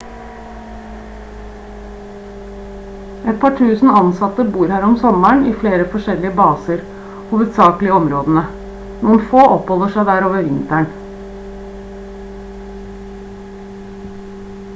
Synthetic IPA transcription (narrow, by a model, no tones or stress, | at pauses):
ʔɛt̪̚pʰɑːʈʰʉːsn̩ɑnsɑt̪əbuːɾhæːɾɔmsɔmæɳiːfleːɾəfɔʂɛlːɪəbɑːsəɾ | huːʋəd̪sɑːklɪəɔmɾoːd̪ən̩ə | nuːənfoːʔɔphɔlˠəʂæɪd̪æːɾoːʋəɾʋɪnt̪æɳ